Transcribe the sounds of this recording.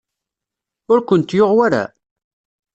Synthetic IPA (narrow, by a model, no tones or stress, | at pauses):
ʊɾkʷənt̪joʁwaɾa̰